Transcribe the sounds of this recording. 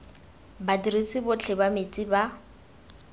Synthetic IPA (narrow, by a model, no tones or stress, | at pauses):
badirisibʊt͡ɬʰɪbamet͡sʼiba